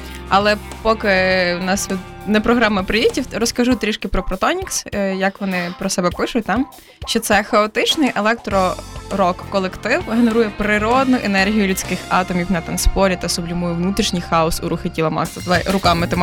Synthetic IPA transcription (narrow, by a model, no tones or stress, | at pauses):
ɐ̰lˠɛpɔkɪnɑsʋʲid̪nɛpɾɔɦɾɑmɐpɾɪjʲitʲiwɾɔskɐʒut̪ɾʲiʃkɪpɾɔpɾɔt̪ɔnʲiksjɐkʋɔnɪpɾɔsɛbɛpɪʃʊtʲt̪ɑm | ʃt͡ʃɔt̪sɛxɐɔt̪ɪt͡ʃnɪjʔelˠɛk̚t̪ɾɔɾɔkːɔlˠekt̪ɪwɦeneɾujɛpɾɪɾɔd̪nʊʔenɛrɦʲijʊlʲʊt͡sʲkɪxɑt̪ɔmʲiwnɐt̪ɐnspɔɾʲit̪ɐsʊblʲimujʊʋnut̪ɾʲiʃnʲɪjxɑɔsuɾʊxetʲilˠɐmɑ̰kt̪ɐt̪ɛɾʊkɑmɪt̪ɔm